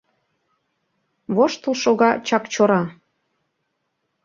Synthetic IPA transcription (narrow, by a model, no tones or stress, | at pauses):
βoʃt̪ɤ̆lʃoɣɑt͡ɕɑkt͡ɕoɾɑ